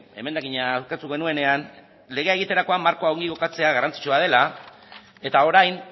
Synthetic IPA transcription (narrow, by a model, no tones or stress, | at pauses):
e̞me̞nd̪aɣiɲawket̪uɣe̞nue̞ne̞an | le̞ɣ̞e̞aeɣit̪e̞ɾako̞amːaɾko̞aoŋɡiɣo̞kat͡se̞aɣarant͡si̥t͡ʃoað̞e̞la | e̞t̪ao̞ɾajn